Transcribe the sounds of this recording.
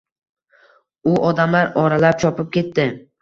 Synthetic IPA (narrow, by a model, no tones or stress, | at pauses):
ʊʔɒd̪amlaɾɒɾalap̚t͡ʃʰɒpɪp̚kʲe̞t̪ːɪ